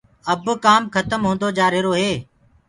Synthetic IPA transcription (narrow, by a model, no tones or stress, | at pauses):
əbkaːmkʰət̪əmɦũːnd̪oːd͡ʒaːɾɪɾoːɦeː